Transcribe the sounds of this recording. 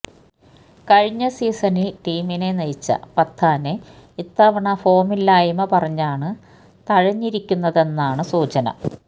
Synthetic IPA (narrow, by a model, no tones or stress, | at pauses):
kɐɻiɲːɐsiːsɐnilʈiːmine̞nɐjit͡ɕːɐ̰pɐt̪ʰːaːne | it̪ːɐːʋɐɳɐfo̞ːmilːaːjɐmɐpɐrɐɲːaːɳɨ | t̪ɐɻɐɲːiɾikʲːunːɐðe̞nːaːɳɨsuːt͡ɕɐnɐ̰